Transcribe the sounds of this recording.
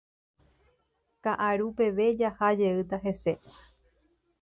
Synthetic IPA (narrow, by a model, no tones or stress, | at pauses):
kaʔaɾupe̞ʋe̞d͡ʒahad͡ʒe̞ɨt̪aɦe̞se̞